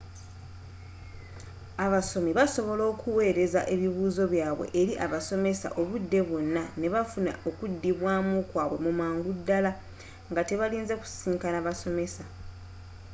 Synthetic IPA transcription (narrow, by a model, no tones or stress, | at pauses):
aβaso̞miβaso̞βo̞lo̞ːkʰuwe̞ːɾe̞za̰ʔe̞βiβuːzo̞βjaːβwe̞̰ʔːɾiʔaβaso̞me̞sa̰ʔo̞βudːe̞βonːane̞βafuna̰o̞kudːiβwaːmokwaːβwe̞̰mumaːŋɡudːala | ŋɡate̞βaliːnzeku̥ssiːŋkanaβaso̞me̞sa